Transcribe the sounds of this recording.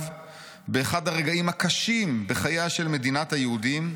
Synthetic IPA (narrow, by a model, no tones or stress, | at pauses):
v | beːχadhaʁeɡaimhakaʃimbeχajaʃe̞lme̞dinathajehudim